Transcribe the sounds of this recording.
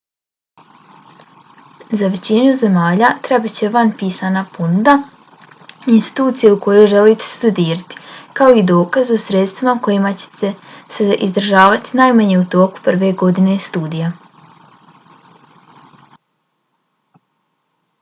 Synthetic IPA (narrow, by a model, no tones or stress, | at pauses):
zaʋe̞t͡ɕinuze̞maːʎat̪ɾebit͡ɕe̞ʋanpiːsaːnaponud̪a | inst̪i̥t̪uːt̪sijeuko̞jo̞jʒe̞liːt̪e̥st̪ud̪iːɾat̪i̥kao̞id̪o̞ːkazosɾe̞t̪st̪ʋimako̞jimat͡ɕe̥t̪eseʔizd̪r̩ʒaːʋat̪i̥najmaɲe̞ut̪o̞ːku̥pr̩ʋe̞ɡo̞d̪ine̞st̪uːd̪ija